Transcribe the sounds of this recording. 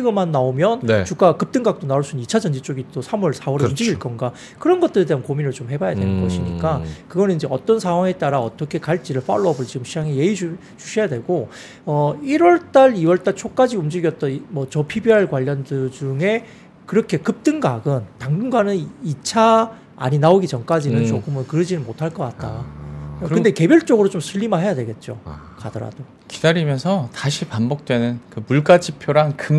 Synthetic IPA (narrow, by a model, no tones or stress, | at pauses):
t͡ɕʰiɡɯmanːaomjʌnnt͡ɕuk͈akɯp̚t͈ɯŋɡak̚t͈onauɭsʰunɯnit͡ɕʰad͡ʑʌnd͡ʑit͡ɕ͈oɡit͈osʰamʌɭsʰaoɾumd͡ʑiɡiɭk͈ʌnɡa | kɯɾʌnɡʌt̚t͈ɯɾede̞ɦankominɯɭt͡ɕomhe̞bajadwe̞nɯnɡʌɕʰiɲik͈akɯɡʌnɯnind͡ʑe̞ʌt͈ʌnsʰaɦwaŋe̞t͈aɾaʌt͈ʌkʰe̞kaɭt͡ɕ͈iɾɯɭp͈a̰ɭːʌbɯɭt͡ɕiɡɯmɕʰiaŋejeid͡ʑ | t͡ɕuɕʰijadwe̞ɡo | ʌiɾwʌɭt͈aɭiwʌɭt͈aɭt͡ɕʰok͈ad͡ʑiumd͡ʑiɡjʌt̚t͈ʌnmʌt͡ɕʌpʰibiɦaɭkwaʎːʌndɯd͡ʑuŋe̞ | kɯɾʌkʰe̞kɯp̚t͈ɯnɡaɡɯntaŋɡɯŋɡwanɯnit͡ɕʰa | a̰ɲinaoɡit͡ɕʌŋk͈ad͡ʑinɯnt͡ɕokʰɯmɯnkɯɾɯd͡ʑinɯnmotʰaɭk͈ʌk͈at̚t͈a̰ | kɯnde̞ke̞bjʌɭt͡ɕ͈ʌɡɯɾot͡ɕomsʰɯʎːimaɦe̞jadwe̞ɡe̞t̚t͡ɕ͈o̰ | kadʌɾa̰d̥o | ki̥d̥aɾimjʌnsʰʌtaɕʰipambok̚t͈we̞nɯnkɯmuɭk͈ad͡ʑipʰjoɾaŋkɯ